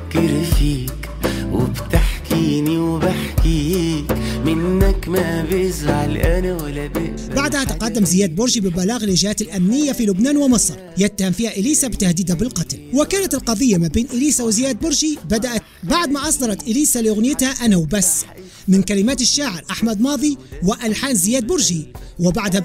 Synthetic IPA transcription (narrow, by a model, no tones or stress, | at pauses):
kɪɾfiːk | wɪ̰bt̪aħkiːniwbaħkikmɪnːakmabʔɪzʕalʔanawalːad̪ɪ | baʕd̪hat̪ɪqɑd̪ːamzɪjaːd̪̚bʊɾʒibɪbalaːɣalɪʒhaːt̪ɪlʔamnɪjːafilʊbnaːnwɪmɨsˤɾˤjɪt̪ːahamfiːhaʔɪliːsabɪt̪ahd̪iːd̪habɪlqɑt̪lwɪkaːnat̪ɪlqɑðˤɪjːamabeːnʔɪliːsawɪzɪjaːd̪̚bʊɾʒibad̪aʔat̪baʕd̪maːʔɑsˤd̪ɑɾˤɑt̪ʔɪliːsalɪʔʊɣnɪjɪt̪haʔanawbasː | mɪnkalɪmaːt̪ɪʃːaːʕɪɾʔaħmad̪mɑːðˤiwɪʔalħaːnzɪjaːd̪̚bʊɾʒiwɪbaʕd̪ha